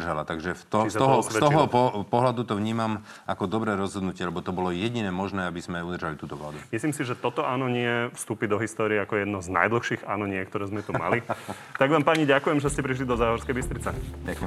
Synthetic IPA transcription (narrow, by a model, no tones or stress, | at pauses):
rʒalat̪aɡʒɛt̪ɔsɔɦɔst̪ɦɔpɔpɔɦlad̪ut̪ɔʋɲiːmam | akɔd̪ɔbɾɛːɾɔzɦɔd̪nucɪɛlɛbɔt̪ɔbɔlɔjɛɟinɛːmɔʒnɛːabizmɛud̪rʒalit̪uːt̪ɔʋla̰ːd̪umisliːmsiʒɛt̪ɔt̪ɔʔaːnɔɲɪɛfst̪uːpid̪ɔɦist̪ɔːɾiɛakɔjɛd̪nɔzna̰jd̪l̩ˠxʃiːɣa̰ːnɔɲɪɛkt̪ɔɾɛːzmɛt̪uma̰li | t̪aɡʋaːmpaːɲiɟakujɛmʒɛscɛpɾiʃ̬lid̪ɔzaːɦɔɾskɛjbist̪ɾit͡sɛ